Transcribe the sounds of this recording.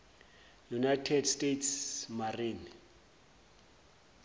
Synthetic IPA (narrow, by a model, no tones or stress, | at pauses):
junajtʰɛdstʼetʰsmariːni